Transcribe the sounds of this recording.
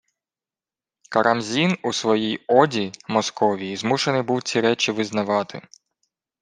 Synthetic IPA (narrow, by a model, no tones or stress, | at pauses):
kɐɾʔɐmzʲinusʋɔjijɔdʲimɔskɔʋʲiizmuʃenɪjbuwt͡sʲiɾɛt͡ʃʲiʋɪznɐʋɑt̪ʰɪ̰